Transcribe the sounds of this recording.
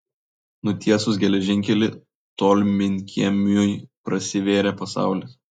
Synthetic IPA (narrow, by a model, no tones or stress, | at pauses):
nʊt̪ʲiɛsʊsɡʲɛlʲɛʒʲɪŋʲkʲɛlʲɪ | t̪oːlʲmʲɪŋʲkʲʰiɛmʲujpɾɐsʲɪʋʲeːɾʲɛpɐsɑ̰ˑʊlʲɪs